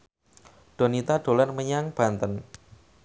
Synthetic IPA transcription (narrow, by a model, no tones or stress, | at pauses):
ɖ̥o̤nit̪aɖ̥o̤larməɲaŋb̥a̤nt̪ən